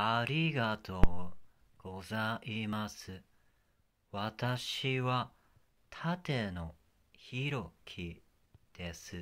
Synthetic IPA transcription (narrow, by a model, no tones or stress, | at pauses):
aɾʲiɡat̪o̞ː | ɡ̥o̞zaimasɨ | βat̪aɕiβa | t̪ʰat̪e̞no̞ | çiɾo̞kʲʰi | d̪̥e̞sɨ